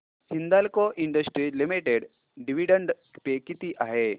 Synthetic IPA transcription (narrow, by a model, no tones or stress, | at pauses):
hind̪alkoʔiɳɖəsʈɾilimiʈeɽ | ɖiʋiɖəɳɖ | pekit̪iʔaɦe